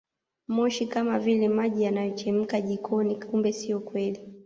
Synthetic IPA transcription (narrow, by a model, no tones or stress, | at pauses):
mɔʃikamavilɛmaʄijanajɔt͡ʃɛm̩kaʄikʰɔnikumbɛsiɔkwɛli